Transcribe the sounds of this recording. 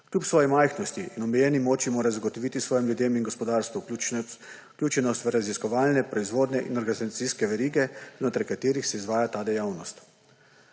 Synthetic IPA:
klʲjupsʋɔːjɛmajxnɔst̪iʔinɔmɛjɛːnimɔːt͡ʃimoːɾazaɡɔt̪ɔʋit̪isʋɔːjimljud̪eːminɡɔspɔd̪aːɾst̪ʋu | klʲuːt͡ʃɛnɔst̪ʋɾaziskɔʋaːlnɛpɾɔizʋoːd̪nɛʔḭnɔɾɡanizat̪siskɛʋɛɾiːɡɛznot̪ɾaɾkat̪eːɾixsɛizʋaːjat̪aːd̪ɛjawnɔst̪

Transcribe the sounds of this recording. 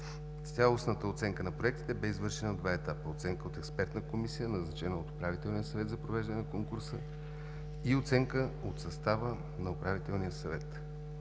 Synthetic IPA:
t̪ʲjalˠosnət̪əot̪sɛŋkənɐpɾoɛkt̪i̥t̪ɛbɛizvɤɾʃɛnəod̪vaɛt̪apəot̪sɛŋkəot̪ɛkspɛɾt̪nəkomisijənɐznɐt͡ʃɛnəot̪o̥pɾavit̪ɛlˠnijəsɐvɛt̪zɐpɾovɛʒd̪ənɛnɐkoŋkuɾsə | iot̪sɛŋkəot̪sɐst̪avə | nɐopɾavit̪ɛlˠnijəsɐvɛt̪

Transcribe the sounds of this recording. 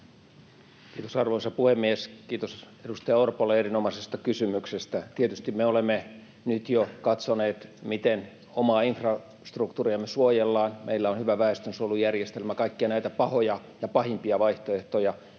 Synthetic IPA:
kiːt̪osɑrʋoisɑpuhemːieskiːt̪os | edust̪ɑjɑorpolːeerinomɑsest̪ɑkysymyksest̪æt̪iet̪yst̪immeolemːe | nyt̪jokɑt̪soneːt̪mit̪en | omɑːinfrɑ | st̪rukt̪uːriɑmːesuojelːɑːnmʔḛilːæonhyʋæʋæest̪ønsolːujærjest̪elmækɑikːiɑnæit̪æpɑhojɑ | jɑpɑhimpiɑʋɑiht̪oeht̪ojɑ

